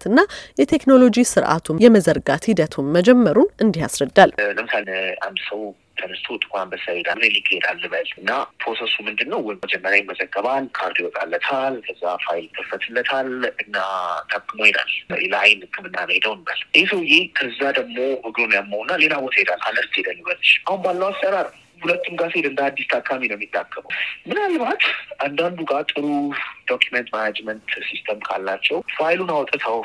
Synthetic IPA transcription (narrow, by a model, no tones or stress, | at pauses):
t̪ʰɨnːajɛt̪ʰe̞kno̞lo̞d͡ʒisɨɾʔa̰t̪ʰujɛməzəɾɡat̪hid̪ət̪ʰunməd͡ʒɛmːəɾunʔɨnd̪ihasɾəd̪ːalləmsala̰nd̪səw | t̪ʰənəst̪ʰot̪ʼɨ̥kʼɾanbəsajed̪aɡɨzelikʼːed̪alːɨβəlɨnːapʰɾosesumɨnd̪ɨnːəwwɔjmːəd͡ʒɛmːəɾjajɪmːəzəɡːəβalkʰaɾt̪ʰiwɔt̪ʼalːət̪ʰalkʰəzːafajlt̪ʰʼːəfːət̪ʰɨlːət̪ʰalɨnːat̪ʰakʼːɨmojɛna̰leləajnhɨkʰːɨmɨnːa̰βəjed̪əwnːa̰lesəwjekʰəzːad̪əɡmo̞ʔɨɡlonjamːəwnːale̞lawɔt̪ʰɛd̪alːʔa̰ləɾd͡ʒed̪ənːɨbətʃʔahunbalːəwasəɾaɾ | hulət̪ːumɡased̪ɨnd̪aad̪ːist̪ʰakʰːaminəwmːjit̪ːakʰːəbə̰wmɨnalːɨmat̪ʔand̪and̪uɡat̪ʼɨɾud̪̥okʰːjumɛnt̪manad͡ʒmənt̪sist̪ʰəmkʰalːat͡ʃːɛwfajlunawɔt̪ʼət̪ʰəw